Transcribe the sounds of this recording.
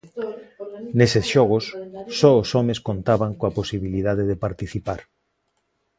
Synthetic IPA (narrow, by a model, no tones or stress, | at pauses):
nesesʃɔɣ̞osːɔosɔmeskont̪aβaŋkoaposiβilið̞aðeðepaɾt̪iθipaɾ